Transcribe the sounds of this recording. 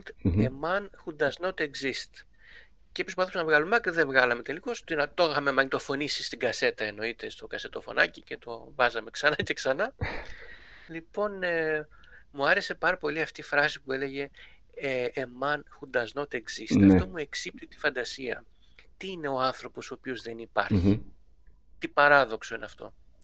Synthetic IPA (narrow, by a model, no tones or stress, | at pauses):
emɐnxund̪ɐzno̞t̪eɡzist̪ | ceepispɐθosznɐvɣɐlumɐkɾiðe̞vɣɐlɐme̞t̪e̞likost̪inɐt̪oxxɐmemɐɲt̪ofo̞nisi̥st̪iɡɐse̞t̪ɐeno̞it̪e̞st̪o̞kɐse̞t̪ofo̞̰nɐ̰cice̞t̪o̞̰vɐzɐme̞ksɐnɐce̞ksɐnɐ | lipo̞ne | muɐɾe̞se̞pɐɾɐpo̞liɐft̪ifɾɐsi̥pue̞le̞ʝe̞ | ʔːmɐnxund̪ɐzno̞t̪eɡz̥ist̪eɐft̪o̞mue̞ksip̚t̪it̪i̥fɐnd̪ɐsiɐ̰ | t̪iine̞o̞ɐnθɾo̞po̞soːpiozðe̞nipɐ̰ɾçi | t̪ipɐɾɐðo̞kso̞ineɐft̪o̞̰